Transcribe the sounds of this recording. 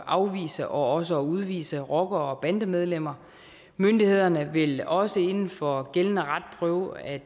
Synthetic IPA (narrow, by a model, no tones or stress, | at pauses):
ʔɑ̈ʊʋḭːsəʔɒ̽ɒ̽s̬əɒuð̞ˠʋḭːsəʁɒ̽ɡ̥ɐɒ̽b̥ænd̥əmeð̞ˠlem̰ɐ | mønd̥ihe̝ð̞̰ˠɐnəʋe̝lɒ̽səe̝nn̩fɒ̽ɡ̥elənəʁad̥̚pʰʁœʊæ